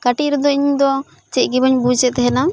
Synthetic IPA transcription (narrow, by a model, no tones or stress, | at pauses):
kaʈiɾɔd̪ɔiɲd̪ɔ | t͡ʃɛc̚ɡɛbəɲbut͡ʃɛt̪ɛɦɛna